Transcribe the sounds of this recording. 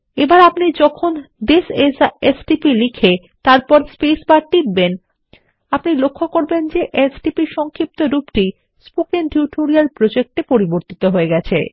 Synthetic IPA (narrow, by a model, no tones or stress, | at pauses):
ebaɾapnid͡ʑɔkʰond̪esesesʈipilikʰe | t̪aɾpɔɾspesbaɾʈibben | apnilokʰːokoɾbend͡ʑeʔesʈipiʃɔŋkʰip̚t̪oɾupʈi | spokenʈuʈʰoɾialpɾod͡ʑek̚ʈepoɾiboɾt̪it̪oɦoeɡɛt͡ɕʰḛ